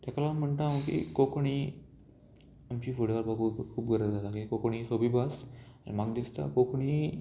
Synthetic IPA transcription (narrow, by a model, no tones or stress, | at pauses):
t̪jakalam̤əɳt̪aʋəkḭkokɳ̃i | amt͡ɕiːfoɽʋaɾbakukʰuːpɡʱəɾəɾzat̪akikokɳ̃isobiːbas | a̰maɡd̪ist̪a̰kokɳiː